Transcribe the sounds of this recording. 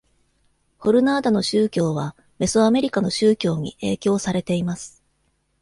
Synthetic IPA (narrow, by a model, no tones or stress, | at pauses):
ho̞ɾɯ̟naːd̪ano̞ɕɨːkʲo̞ːβa | me̞soame̞ɾʲikano̞ɕɨːkʲo̞ːɲ̟ḭe̞ːkʲo̞ːsaɾe̞t̪e̞imasɨ̥